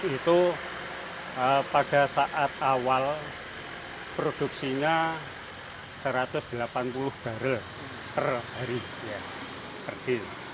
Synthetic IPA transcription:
it̪u | əpaɡ̥a̤saʔat̪̚awal | pɾod̥uksiɲa | səɾat̪ʊsd̪̥əlapanpulʊhb̥a̤ɾəl | t̪ərhaɾi | ja | kərd̥ɪn

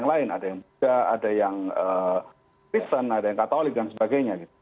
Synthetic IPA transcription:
aŋlaɪnadajaŋbudaa̰dajaŋə | kɾist̪ənadajaŋkat̪olɪk̚dansəbaɡajɲaɡit̪̚u

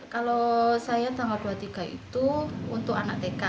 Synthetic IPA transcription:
kalosajat̪aŋald̥uɦat̪iɡ̥a̤ḭt̪uunt̪ʊkanak̚t̪eka

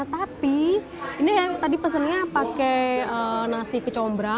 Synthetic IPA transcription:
t̪api | inijat̪adipəs̬ənɲapakɛənasikət͡ʃɔmbɾa

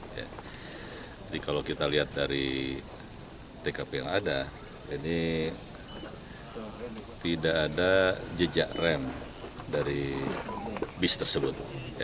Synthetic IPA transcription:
ja̰ | d͡ʒadikalokit̪aliat̪̚daɾi | t̪ekapejaŋada | ini | t̪idaʔːdad͡ʒəd͡ʒa̰ʔrɛm | daɾi | bist̪ərsəbʊt̪̚ja

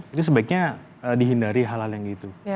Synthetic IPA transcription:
ɡit̪us̬əbaɪk̚ɲa | əːdiɦindaɾiɦalɦaljaŋɡit̪u

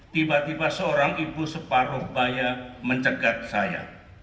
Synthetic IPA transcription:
t̪ibat̪ibasəoɾaŋibusəpaɾʊhbajaməɲt͡ʃəɡat̪̚saja̰

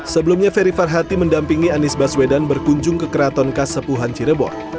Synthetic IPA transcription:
səbəlumɲafeɾifarɦat̪iməndampiŋianisbaswedanbərkuɲd͡ʒʊŋkəkəɾat̪ɔnkasəpuɦant͡ʃiɾəbɔ̰t

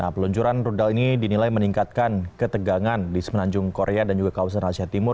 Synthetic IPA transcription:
napəluɲt͡ʃuɾanrudalinidinilajməniŋkat̪̚kankət̪əɡaŋandisəmənaɲd͡ʒʊŋkoɾeadand͡ʒuɡakawas̬anasiɦat̪imʊr

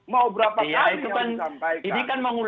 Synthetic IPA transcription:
mawbəɾapajait̪ukanainikanməŋul

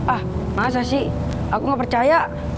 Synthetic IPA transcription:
ahmas̬asi | akuŋɡapərt͡ʃaja

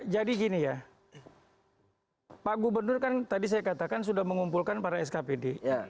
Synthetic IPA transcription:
d͡ʒadiɡinija | paɡubərnʊrkant̪adis̬ajakat̪akans̬udahməŋumpulkanpaɾaɛs̬kapede

